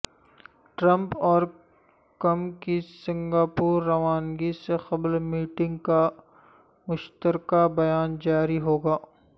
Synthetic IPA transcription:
ʈɾɐ̃mpɔːɾ | kɐmkisɪ̃ŋɡaːpuːɾːɐʋaːnɡisexɐblmiːʈɪ̃ŋɡka | mʊʃt̪əɾkabɐjaːnd͡ʒaːɾiɦoːɡaː

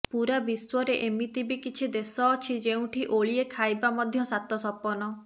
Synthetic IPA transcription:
puɾabiswɔɾeʔemit̪ibikit͡ʃʰid̪esɔːt͡ʃʰid͡ʒeũʈʰiʔoɭiekʰajbamɔd̪ʱjɔsat̪ɔsɔpɔnɔ

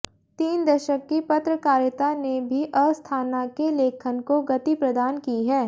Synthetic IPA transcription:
t̪iːnd̪ɐʃəkːipɐt̪ɾəkaːɾjət̪anebʱiʔɐːst̪ʰaːnakeleːkʰənkoɡɐt̪ipɾɐd̪aːnkiɦɛː

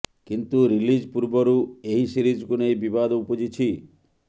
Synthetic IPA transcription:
kint̪uɾilid͡ʒpuɾbɔɾueɦisiɾid͡ʒkunejbibad̪upɔd͡ʒit͡ʃʰi

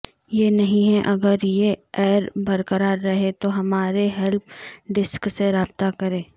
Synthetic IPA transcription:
jenɐɦĩɦɛʔɐɡəɾjeɛːɾbɐɾkəɾaːɾːɐɦet̪oɦɐmaːɾeɦɛlp̚ɖɪskseɾaːb̚t̪akɐɾẽː

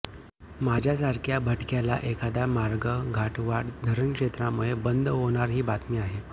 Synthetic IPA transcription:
mad͡ʑʱjas̬aɾkʰjabʱəʈkjala̰ʔekʰad̪amaɾɡəɡʱaʈʋaɽd̪ʱəɾəɳkʂet̪ɾamuɭebənd̪ʱɦoɽ̃aɾɦiːbat̪miːaɦe

